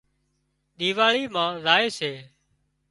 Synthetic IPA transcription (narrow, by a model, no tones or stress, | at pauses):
ɗ̪iːʋaːɭiːmãːɾaːeːseː